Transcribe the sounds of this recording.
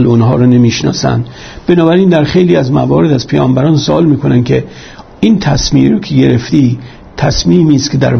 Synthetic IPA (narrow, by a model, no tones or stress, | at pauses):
lonɦɒːɾɔːne̞miːʃnɒ̰ːsæ̰nd̪ | b̥e̞nɒːbæɾiːnd̪æɾxejliːæzmæ̰vɒːɾe̞d̪æzpʰejɒːmbæɾɒːnsoʔɒːlmiːkʰo̞nænkʲʰe̞ | iːnt̪ʰæsmiːmɾoːkʰeɡe̞ɾe̞ft̪iː | t̪ʰæsmiːmiːst̪kʰʲed̪æ̰ɾ